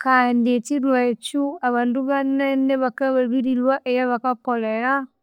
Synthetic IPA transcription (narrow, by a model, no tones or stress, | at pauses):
kandietilwat͡ʃuaβaːnduβanɛneβakaββiɾilwaʔejaβakakoleɾa